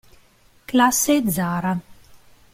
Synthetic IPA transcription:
klasːed̪zaːɾa

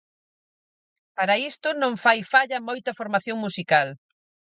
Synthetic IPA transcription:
paɾɐist̪ʊnõŋfajfaʎɐmojt̪ɐfoɾmaθjoŋmusikal

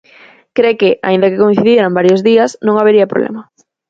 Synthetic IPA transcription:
kɾekɪʔa̰ĩnd̪ɐkɪkoĩn̟θiðjeɾambaɾjozðiɐsnõŋaβeɾiɐpɾo̰βlʔɛ̰mɐ

